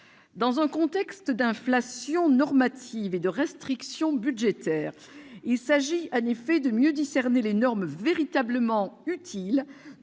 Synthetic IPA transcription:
d̪ɑ̃zɛ̃kɔ̃t̪ɛkst̪d̪ɛ̃flasjɔ̃nɔʁmat̪ʰived̪əʁɛst̪χiksjɔ̃byd̪ʒet̪ɛːʁ | ilsaʒianefɛd̪əmjød̪isɛʁnelenɔʁmveʁit̪abləmɑ̃yt̪ʰil

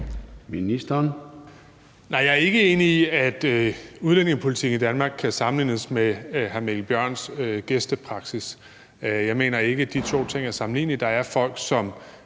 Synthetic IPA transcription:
minisd̥ɐn | nɑ̈ɪjɑ̈æɐe̝ɡ̥əe̝ːniːæd̥uð̞ˠlen̰e̝ŋəspʰo̝lit͡sʰiɡ̥n̩id̥ænmɑ̈ːɡ̥̚kʰːæsɑ̈mnlḭːnəsmeɦæmelb̥jɶɐ̰nsɡ̥esd̥əpʰʁɑ̈ɡ̥sis | jɑ̈ɪme̝̰ːnɐe̝ɡ̥əd̥it͡sʰo̝̰ːt͡sʰe̝ŋ̰æɐsɑ̈mn̩lḭːnid̥ɑ̈æɐfɒ̽l̰ɡ̥sɒ̽m

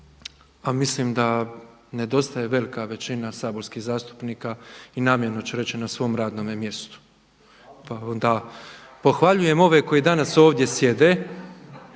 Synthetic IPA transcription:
amislimd̪a | ne̞d̪o̞st̪ajeʋe̞likaʋe̞t͡ɕinasaːbo̞ɾskiɣzaːst̪u̥pniːkainaːmjeɾnot͡ɕeɾe̞t͡ɕinasʋo̞ːmɾaːd̪no̞ːmemje̞st̪u̥ | pao̞nd̪aː | po̞xʋaʎuje̞mo̞ʋe̞ko̞id̪anaso̞ːʋd̪je̞sje̞d̪e

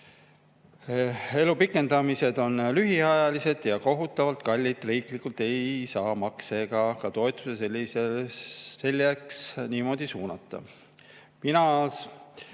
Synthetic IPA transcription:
e̞lupikːˑe̞nd̪ɑmise̞d̪̥o̞nlyɦiɑjɑlise̞d̪̥jɑko̞ɦut̪ːˑɑvɑlt̪ˑkɑlʲːit̪ːˑriːklikult̪e̞jsɑːmɑkse̞ɡ̥ɑkɑt̪o̞e̞t̪ːˑu̥seselːiseː | e̞lʲːeksniːmo̞d̪̥isuːnɑt̪ːˑɑ̰ | minɑs

